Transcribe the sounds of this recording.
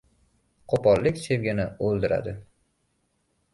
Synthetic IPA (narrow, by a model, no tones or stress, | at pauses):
qʰopɒlːɪkʲse̞vɡʲɪnɪolˠd̪ɪɾa̰d̪ɪ